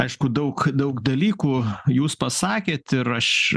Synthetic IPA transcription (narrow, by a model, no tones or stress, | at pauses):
ɐɪʃkʊd̪ɐʊkd̪ɐʊkd̪ɐlʲiːkuːjuːspɐsɑːkʲeːt̪ɪɾɐʃ